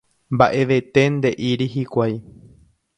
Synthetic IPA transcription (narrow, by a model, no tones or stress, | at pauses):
mba̰ʔe̞ʋe̞t̪e̞nd̪e̞ʔiɾiɦikʷaj